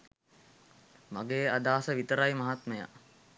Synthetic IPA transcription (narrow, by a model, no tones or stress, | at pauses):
maɡeːad̪aːsəʋit̪əɾajmɐɦat̪məja̰